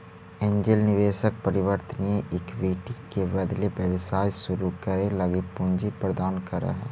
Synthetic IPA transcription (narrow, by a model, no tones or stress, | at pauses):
ẽːɲd͡ʒɪlnɪʋeːʃək̚pɐɾɪʋəɾt̪ənieʔɪkʋiːʈikebɐd̪lebjəʋsaːjʃʊɾukɐɾelɐɡipʊ̃ɲd͡ʒipɾəd̪aːnkɐɾa̰ɦɛ̰ː